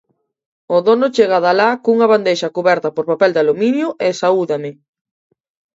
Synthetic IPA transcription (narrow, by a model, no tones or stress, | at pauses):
ʊðonʊt͡ʃeɣaðalakuŋɐβand̪ejʃɐkuβɛɾt̪ɐpoɾpapɛld̪aluminjʊʔesauðamɪ